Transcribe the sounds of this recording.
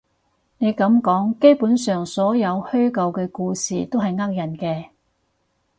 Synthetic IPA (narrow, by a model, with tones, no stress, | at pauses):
ne˨˧jkɐ˨˥mkɔː˨˥ŋke˥jpuː˨˥nsœː˨ŋsɔː˨˥jɐ˨˧whɵ˥ɥkɐ˧wkɛː˧kuː˧sḭː˨t̪o˥wɦɐ˨jŋɐ˥k̚jɐ˨˩nkɛː˧